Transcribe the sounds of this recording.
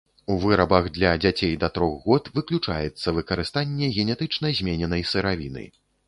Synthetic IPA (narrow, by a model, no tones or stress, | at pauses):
uvɨɾɐbɐɣd̪lʲɐd͡zʲat͡sʲejd̪ɐt̪ɾɔɣɣɔt̪vɨklʲut͡ʂa̰jɛt̪sːɐvɨkɐɾɨst̪anʲːɛɣʲɛnʲɛt̪ɨt͡ʂnɐjzʲmʲenʲɛnɐjsɨɾavʲinɨ̰j